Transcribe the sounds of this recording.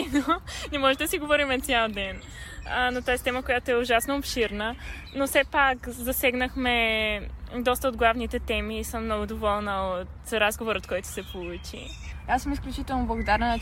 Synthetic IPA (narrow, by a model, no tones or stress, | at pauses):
nonɛmɔʒɛd̪ɐsiɡovɔɾimɛt̪sʲjalˠd̪ɛn | ənot̪aɛst̪ɛməkojat̪oɛʊʒasnoːpʃiɾnə | nosɛpakzɐsɛɡnəxmɛ | d̪ɔst̪əod̪ɡlˠavnit̪ɛt̪ɛmiːsəmːnɔɡʊd̪ovɔlˠnəot̪ɾazɡovoɾot̪̚kɔjt̪ʊ̥sɛpolˠut͡ʃḭ | asəmisklʲut͡ʃit̪ɛlˠnoblˠɐɡod̪aɾnə